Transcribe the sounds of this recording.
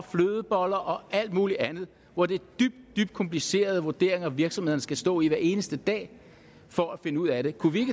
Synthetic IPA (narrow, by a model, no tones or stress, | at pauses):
fløːð̞ˠəb̥ɒl̰ɐʔɒ̽ʔæl̰d̥muːliʔænð̞̩ˠ | ʋɒd̥e̝d̥yb̥̚d̥̚d̥yb̥d̥̚kʰɒ̽mpʰlise̝̰ːɐð̞ˠʋo̝ɐd̥e̝̰ɐe̝ŋɐɒʋiɐɡ̥sɒmhe̝ð̞ˠɐnəsɡ̥æsd̥ɔ̰ːiʋæɐe̝ːnəsd̥əd̥ɛ̰ː | fɒæfe̝nəuð̞̰ˠæɾe̝kʰuʋie̝ɡ̥ə